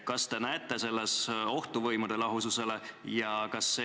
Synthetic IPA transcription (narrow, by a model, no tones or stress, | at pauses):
kɑst̪e̞næet̪ːˑe̞se̞lːeso̞ht̪uvɤjmud̪̥e̞lɑɦususe̞le̞jɑkɑsːe